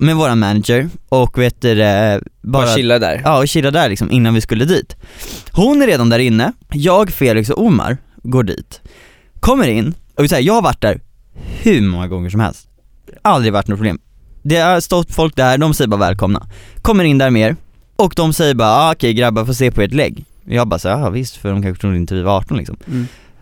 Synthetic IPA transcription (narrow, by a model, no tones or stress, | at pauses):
mɛvoːɾanmænad̪d͡ʒəɾɔkːveːt̪d̪ɛbɑːɾaɪlːad̪æ̰ɾɑːɔɕɪlːad̪æɾlɪksɔmʔɪnːanvɪskɵlːəd̪iːt̪hʊnːæɾeːd̪and̪æːɾɪnːəjɑːɡfeːlɪks̬ɔʔʊma̰ɾɡoːɖḭːt̪ | kʰɔmːəɾɪnːɔɪsɛːəjɑːɡhaɾvaʈ̚ːd̪æːɾ | hʉ̟mɔŋːaɡɔŋːəʂɔmhɛ̰lst̪ | ald̪ɾɪvaʈːnɔt̪pʰɾʊblḛːm | d̪ɛast̪ɔt̪̚ːfɔlk̚d̪æhæːɖɔmsɛjːəbɑːɾavɛ̰ːlkʰɔmna̰kʰɔmːəɾɪnd̪æːɾmeːɾ | ɔkd̪ɔmsɛjːəɾbɑːɾaɑkʰɛjɡɾabːafoːs̬eːpʰɔeːʈlɛ̰ɡː | jɑːɡbɑ̰ːsɛɑvɪst̪fœɖɔmkʰãnɧəʊd̪ɪnəviːvaɑːʈɔnlɪksɔ̰m